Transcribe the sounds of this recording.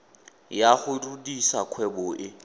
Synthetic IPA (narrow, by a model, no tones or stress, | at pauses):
jaχʊrudisakʰwɛbɔʔɪ